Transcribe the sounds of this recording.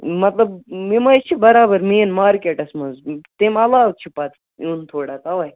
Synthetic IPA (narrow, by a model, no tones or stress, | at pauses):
mɐt̪lɐbmimɐt͡ʃʰibɐɾaːbɐɾmiːnmaːɾkeʈɐsmɐzt̪emɐlaːwt͡ʃʰipat̪ | juːnt̪ʰoːɽat̪ɐʋɐj